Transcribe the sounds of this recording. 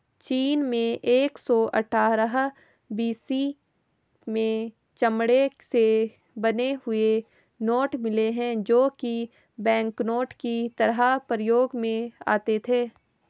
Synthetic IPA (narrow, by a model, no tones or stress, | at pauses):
t͡ʃiːnmẽʔeːksɔʔɐ̰ʈʰaːɾəɦ | biːsi | mẽ | t͡ʃɐmɽese | bɐneɦʊe | noːʈmɪleɦɛ̃d͡ʒoːki | bɛ̃ːŋknoːʈkit̪ɐɾɦapɾəjoːɡmẽa̰ːt̪et̪ʰeː